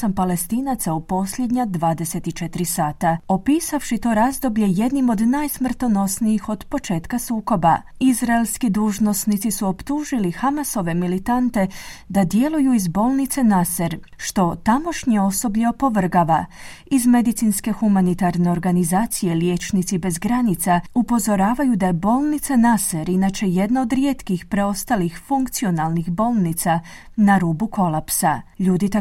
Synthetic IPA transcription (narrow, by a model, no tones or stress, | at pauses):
ampale̞st̪iːnat̪saupo̞sʎe̞d̪ɲad̪ʋaːd̪e̞se̞t̪it͡ʃe̞t̪ɾisaːt̪ao̞piːsafʃit̪o̞ɾazd̪o̞bʎe̞je̞d̪nimo̞d̪najsmr̩t̪o̞no̞sniixo̞d̪po̞t͡ʃe̞ːt̪kasuːko̞ba | izɾaelˠskid̪uːʒno̞snit̪sisuo̞pt̪uːʒilixamaso̞ʋe̞milit̪ant̪e̞d̪ad̪je̞lujuizbo̞ːlˠnit̪se̞naseɾʃt̪o̞t̪amo̞ʃɲeo̞so̞bʎeopo̞ʋr̩ɡaʋa | izme̞d̪it̪sinske̞xumanit̪aɾne̞o̞ɾɡanizaːt̪sije̞lje̞t͡ʃnit̪sibe̞zɡɾanit̪saupo̞zo̞ɾaːʋajud̪ajebo̞ːlnit̪sanaseɾinat͡ʃe̞je̞d̪naod̪ɾjet̪kixpɾe̞o̞st̪alixfuŋkt̪sio̞nalˠnixbo̞ːlˠnit̪sa | naɾuːbukʰo̞lˠapsaʎuːd̪it̪